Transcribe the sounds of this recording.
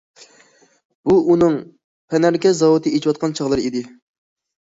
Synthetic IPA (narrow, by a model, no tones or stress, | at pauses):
buʔunɨŋ | pʰɛnæɾkʲɛzɑwut̪ɨet͡ʃʰiwɑt̪̚qʰɑnt͡ʃʰɑʁlˠɨɾid̪ɪ